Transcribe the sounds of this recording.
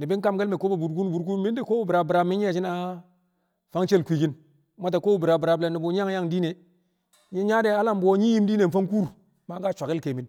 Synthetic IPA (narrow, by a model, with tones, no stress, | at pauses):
ni˨bi˦ŋ˦ka˦mɡe˦lme˨ko˦ba˨bu˨dɡu˦n˦bu˨ɾku˦mi˦ndi˦ko˦bo˦˨bi˨ɾa˨bɾa˨mi˦e˦˨t͡ʃi˦na˦ | fa˦ŋt͡ʃe˦lkʷi˨ɡi˦n | ma˦t̬a˨ko˦bu˦˨bi˨ɾa˨bi˨ɾa˨ble˨ni˨bo˨ɲ˦a˦ŋ˦ja˦ŋdiː˦ne˨ | ɲi˦ɲa˦de˦a˦la˦mbo˦ɲi˦ji˦mdi˦ne˨n̩˨fa˦ŋ˦ku˦ɾ | ma˦ɡa˦˨t͡ʃʷa˨ki˦lke˨mi˨˦n